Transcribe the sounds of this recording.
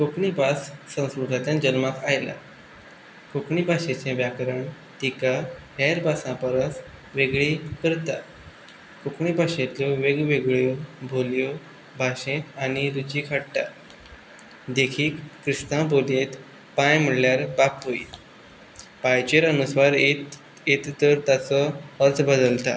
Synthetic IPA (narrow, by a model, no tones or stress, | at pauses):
kokɳibʱasːə̃w̃skɾud̪ʱat̪jãd͡ʑənmakajla̰ | kokɳibʱaɕẽt͡sẽbjakɾəɳ | t̪ikahɛɾbʱasãpəɾəs | ʋeɡɭikəɾt̪a | kokɳibʱaɕẽt̪loʋeɡʋeɡɭjobʱoljo | bʱaɕẽt̪añiɾut͡ɕikʰaɽt̪a̰ | d̪ekʰiːkːɾist̪ãbʱolẽt̪ | pãjm̤əɽljaɾbapɦoḭ | pajt͡ɕeɾənusʋaɾe | et̪ːəɾt̪at͡sɔəɾt͡s̪bəd̪əlt̪a̰